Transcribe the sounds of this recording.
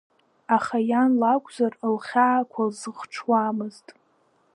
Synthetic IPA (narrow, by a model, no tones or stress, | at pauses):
aχajanlakʷʼzarlχʲaːkʷʰalzɨχʈ͡ʂʰwamɨztʼ